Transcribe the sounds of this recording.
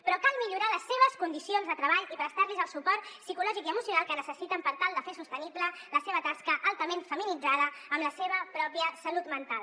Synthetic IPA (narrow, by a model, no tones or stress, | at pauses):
pɾɔkalˠmiʎuɾaləsːeβ̞əskund̪isionzðət̪ɾəβaʎipɾəst̪aɾlizəlˠsupɔrt̪sikulɔʒikiəmusjunalˠkənəsəsit̪əmpəɾt̪alˠd̪əfesust̪əniblələseβət̪askəʔalˠt̪əmenfəminid͡zaðəəmləseβəpɾɔpiəsəlut̪mənt̪al